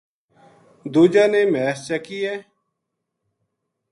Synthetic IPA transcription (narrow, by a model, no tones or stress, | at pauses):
d̪uːd͡ʒaːneːmɛːst͡ʃəkiːɛː